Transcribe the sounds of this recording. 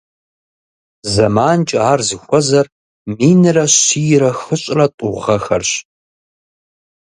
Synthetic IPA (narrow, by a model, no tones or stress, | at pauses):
zɐmaːnt͡ʃʼaːrzɨxʷɔzɐr | miːnɨrɐɕijɪɾɐxɨɕʼrɐtʷʼʊʁʁɐxɐrɕ